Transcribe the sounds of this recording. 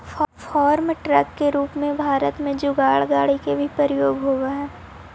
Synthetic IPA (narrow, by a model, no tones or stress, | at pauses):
fɔːɾmʈɾəkːeɾuːpmẽbʱaːɾət̪mẽd͡ʒʊɡaːɭɡaːɽikebʱipəɾɪjoːɡɦoːɡaɦɛː